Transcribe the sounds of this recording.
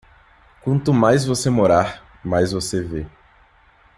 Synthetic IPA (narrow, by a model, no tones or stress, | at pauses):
kwɐ̃nt̪ʊmajzvosemoɾaɾ | majzvoseve